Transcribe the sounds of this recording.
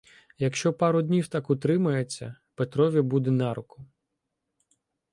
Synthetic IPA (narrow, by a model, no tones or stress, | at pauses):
jɐkʃt͡ʃɔpɑɾʊd̪ʲnʲiwt̪ɑkʊt̪ɾɪmɐjet͡sʲːɐ̰ | pet̪ɾɔʋʲibud̪ɛnɑɾʊkʊ